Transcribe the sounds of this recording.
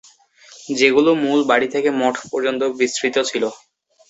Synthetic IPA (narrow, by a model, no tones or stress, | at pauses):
d͡ʑeɡulomulbaɽit̪ʰekemɔʈʰpɔɾd͡ʑont̪obisɾit̪ot͡ɕʰilo